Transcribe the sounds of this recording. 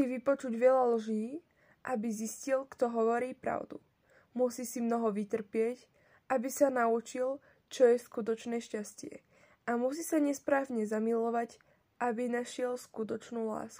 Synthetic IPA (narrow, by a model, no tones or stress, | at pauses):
iʋipɔt͡ʃuɟʋɪɛʎalʒiː | ʔabiziscilkt̪ɔɦɔʋɔɾiːpɾa̰ʊd̪ṵ | musiːsimnɔɦɔʋit̪r̩pɪɛc | abisanaut͡ʃil | t͡ʃɔjɛskut̪ɔt͡ʃnɛːʃcascɪɛ̰ | amusiːsaɲɛspɾaːʋɲɛzamilɔʋac | ʔabinaʃɪɛlskut̪ɔt͡ʃnuːla̰ːsku